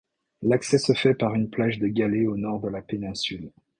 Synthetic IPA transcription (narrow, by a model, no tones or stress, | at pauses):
laksɛsəfɛpaʁynplaʒd̪əɡʲaleonɔʁd̪əlapenɛ̃syl